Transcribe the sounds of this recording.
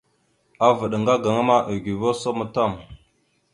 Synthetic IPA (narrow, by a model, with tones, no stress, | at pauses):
a˨və˨ɗŋɡa˦ɡa˨ŋa˦ma˦ʔə˨ɡʷi˨vo˦so˦mə˦ta˦˨m